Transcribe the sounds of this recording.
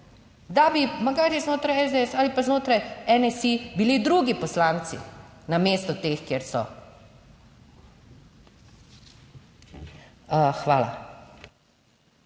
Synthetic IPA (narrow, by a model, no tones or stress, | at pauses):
d̪abimaɡaːɾɛznoːt̪ɾajɛzd̪eɛsalipaznoːt̪ɾajɛnɛsibilid̪ɾuɡipɔslaːnt̪sḭnameːst̪ɔt̪eːxkjeɾsɔ̰ | xʋaːla̰